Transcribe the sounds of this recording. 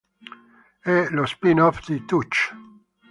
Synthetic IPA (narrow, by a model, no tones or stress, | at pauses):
ɛlospinɔfd̪it̪ut͡ʃ